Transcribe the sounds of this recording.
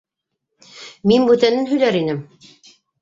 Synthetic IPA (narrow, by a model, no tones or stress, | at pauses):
minbʉt̪ænɘnɦɵ̆jlæɾinɘm